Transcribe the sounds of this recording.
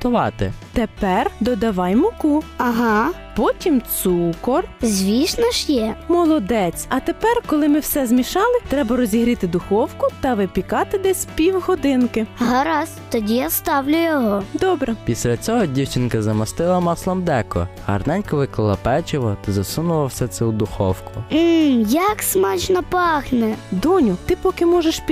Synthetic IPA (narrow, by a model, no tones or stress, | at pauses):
t̪ʊʋɑt̪ɪt̪epɛrd̪ɔd̪ɐʋɑjmʊkuɐɦɑ | pɔtʲimt̪sukɔrzʲʋʲiʃnɐʃjɛmɔlˠɔd̪ɛt͡sʲɐt̪epɛrkɔlˠɪmɪwsɛzmʲiʃɑlˠɪt̪ɾɛbɐɾɔzʲiɦɾʲɪt̪ɪd̪ʊxɔwkʊt̪ɐʋɪpʲikɑt̪ɪd̪ɛsʲpʲiwɦɔd̪ɪnkɪɦɐɾɑst̪ɔdʲijast̪ɑwlʲʊjɔɦɔd̪ɔbɾɛpʲisʲlʲɐt͡sʲɔɦɔdʲiwt͡ʃɪnkɐzɐmɐst̪ɪlˠɐmɑslˠɐmd̪ɛkɔ̰hɐ̰rnɛnʲkɐʋɪklˠɪlˠɐpɛt͡ʃɔʋɔt̪ɐzɐsunʊlˠɐwsɛt̪sɛwd̪ʊxɔwkʊjɐksmɑt͡ʃnɐpɑxnɛd̪ɔnʲʊt̪ɪpɔkɪmɔʒeʃpʲ